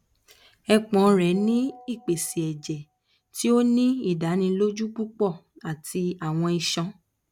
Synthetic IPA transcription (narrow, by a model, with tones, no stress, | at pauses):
ɛ˧k͡pɔ̃˨˧ɾɛ˨nĩ˦i˦˨k͡pe˨si˨ɛ˨d͡ʒɛ˨ | ti˦o˦nĩ˦i˦˨da˨˦nĩ˧lo˦d͡ʒu˦k͡pu˦k͡pɔ˦˨a˨tʰi˧a˨w̃ɔ̃˧i˧ʃɔ̃˧